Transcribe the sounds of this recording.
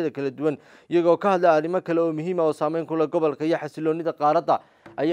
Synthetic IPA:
ðɐkʰɐlɐd̪ʊwɐn | ɪjɐɣɔːkʰɐhɐd̪lɛɐrɪmɐkʰɐlɛɔːmʊɦiːmɐɔːsaːmɛjŋkʰʊlɛɡɔβɔlkʰɐijɞħɑsɪlɔːnɪðɐqɑːɾɐd̪ɐ | ʔɐj

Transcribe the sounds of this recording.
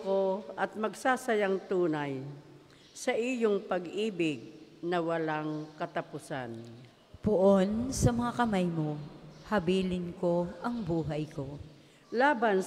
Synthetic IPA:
koʔɐt̪̚mɐɡsasɐjaŋt̪uːnaj | sɐʔijoŋpɐɡiːbɪɡ̚nɐwɐlaŋkɐt̪ɐpʊsan | poʔonsɐmɐŋakɐmajmo̞hɐbiːlɪnko̞ʔɐŋbuːɦɐjko̞ | laːban

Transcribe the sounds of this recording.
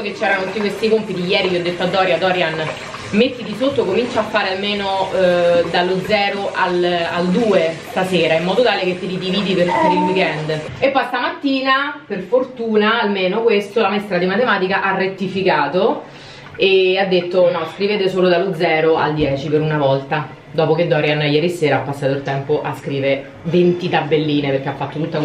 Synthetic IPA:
oket͡ʃːɛːɾanot̪ut̪ːikwest̪ikompit̪ijɛːɾiviːɔd̪ːet̪ːoad̪ːɔːɾjad̪ɔːɾjan | met̪ːit̪isot̪ːokomint͡ʃaafːaːɾealmeːno | d̪alod̪zɛːɾoʔalald̪uːest̪aseːɾaimːɔːd̪ot̪aːleket̪ːelid̪iviːd̪iperpeɾilwikɛnd̪epːɔjst̪amat̪ːiːnaperfort̪uːnaːlmeːnokwest̪olamɛst̪ɾad̪imat̪emaːt̪ikaʔarːet̪ːifikaːt̪o | ead̪ːet̪ːonɔskɾiveːt̪esoːlod̪alod̪zɛːɾoa̰ld̪jɛːt͡ʃipeɾunavɔlt̪a | d̪ɔːpok̟ed̪ːɔːɾianːajɛːɾiseːɾaapːasːaːt̪oilt̪ɛmpoʔaskɾiːve | vent̪it̪abːelːiːneperk̟eafːat̪ːot̪ut̪ːa

